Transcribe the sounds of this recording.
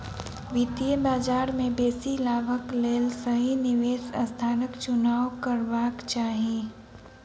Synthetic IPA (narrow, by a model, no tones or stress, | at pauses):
ʋɪt̪ijəbaːd͡ʒaːɾmẽbeːsilaːbəkleːlsɐɦinɪʋeːsɐst̪ʰaːnəkt͡ʃʊnaːwkəɾʋaːkt͡ʃaːɦieː